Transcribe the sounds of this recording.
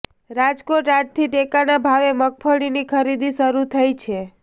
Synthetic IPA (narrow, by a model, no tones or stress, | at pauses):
ɾad͡ʒkoʈaɖ̚t̪ʰiʈekanabʱaʋemək̚fəɽinikʰəɾid̪iʃəɾut̪ʰəjt͡ʃʰe